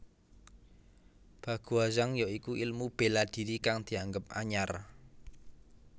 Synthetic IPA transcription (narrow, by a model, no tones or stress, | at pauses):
b̥ä̤ɡ̥uazaŋjɔikuʔilmub̥e̤lad̪̥i̤ɾikaŋd̪̥i̤aŋɡəp̚ʔa̰ɲar